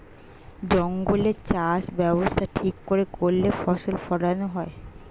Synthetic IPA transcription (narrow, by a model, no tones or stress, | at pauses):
d͡ʑɔŋɡolet͡ɕaʃbɛbost̪ʰaʈʰikːoɾekoɾːefɔʃolfɔɽanoɦɔe